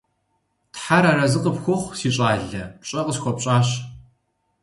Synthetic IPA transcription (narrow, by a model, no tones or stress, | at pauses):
tħaɾarɐzɨqʼəpxʷʊχʷsiːɕʼaːɮɐɕʼɐqʼəɕxʷɔpɕʼaːɕ